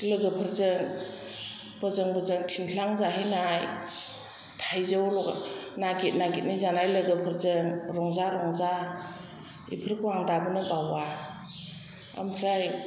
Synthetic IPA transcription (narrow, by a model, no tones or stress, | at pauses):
lɯɡɯpʰəɾzɯŋ | bɯzɯŋbɯzɯŋtʰinʰlaŋzaɦijnaj | tʰajzɯwlɔnaɡit̚naɡit̚nizanajlɯɡɯpʰɯɾzɯŋɾɔŋzaɾɔŋza | ḭpʰɯɾkʰwaŋdabɯnɯbawa | a̰mpʰɾaj